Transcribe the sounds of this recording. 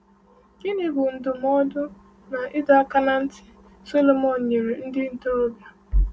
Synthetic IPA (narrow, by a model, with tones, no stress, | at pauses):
ɡɪ˦nɪ˨bʊ˨n̩˨dʊ˨m˦ɔ˦dʊ˦ | na˨ʔɪ˦da˨˦a˦ka˦na˦n̩˦tɪ̥˨ | so˦lo˦mɔ˨n̩˨ɲe˨ɾe˨n̩˦dɪ˦n̩˨to˦o˦bja˨